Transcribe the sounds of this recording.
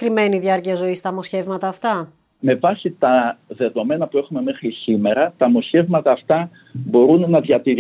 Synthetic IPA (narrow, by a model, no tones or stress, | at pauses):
kɾime̞niðʝɐɾciɐzo̞ist̪ɐmo̞sçe̞vmɐt̪ɐːft̪ɐ | me̞vɐsit̪ɐðe̞ðo̞me̞nɐpue̞xume̞me̞xɾisime̞ɾɐt̪ɐmo̞çe̞vmɐt̪ɐːft̪ɐ | bo̞ɾunːɐðjɐt̪iɾ